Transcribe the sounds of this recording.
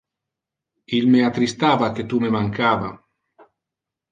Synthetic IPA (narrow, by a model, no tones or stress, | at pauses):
ilmeat̪ɾist̪aːvaket̪umemaŋkaːva̰